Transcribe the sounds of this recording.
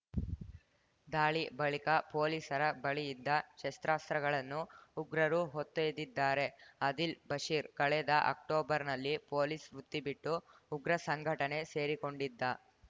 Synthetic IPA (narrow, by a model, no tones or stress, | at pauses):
d̪aːɭibɐɭikɐpo̞ːlisɐɾɐbɐɭijid̪ːɐʃest̪ɾaːst̪ɾɐɡɐɭɐnːuːɡɾɐɾuɦot̪ːeːd̪id̪ːaːɾe̞ɐd̪ilbɐʂiːɾkɐɭɛd̪ɐʔɐ̰k̚ʈoːbɐɾnɐlːipo̞ːlisɾut̪ːibiʈːuːɡɾɐsɐŋɡʱɐʈɐne̞se̞ːɾiko̞ɳɖid̪ːɐ